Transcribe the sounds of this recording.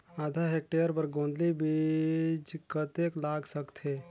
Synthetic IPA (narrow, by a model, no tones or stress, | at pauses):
aːd̪ʱaɦek̚ʈeəɾpəɾɡõːnd̪libid͡ʒkət̪eklaːɡsəkt̪ʰe